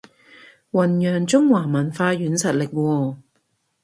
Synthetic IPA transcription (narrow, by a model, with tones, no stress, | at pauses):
wɐ˨˩njœː˨˩ŋt͡sʊ˥ŋwaː˨˩mɐ˨˩nfaː˧jyː˨˥nsɐ˨t̚lɪ˨k̚wɔː˧